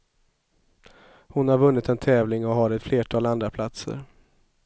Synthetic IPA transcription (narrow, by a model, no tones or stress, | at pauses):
hʊnhaɾvɵnːɪt̪ɛnt̪ʰɛːvlɪŋɔɦɑːɾɛt̪fleːʈʰɑːland̪ɾapʰlat̪sə̰ɾ